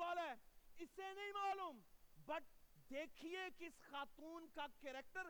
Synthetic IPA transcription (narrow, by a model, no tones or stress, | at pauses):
aːlɛːɪsenɐɦĩmaːluːmbɐʈ̚d̪eːkʰiekɪsxaːt̪uːnkakeːɾeːk̚ʈəɾ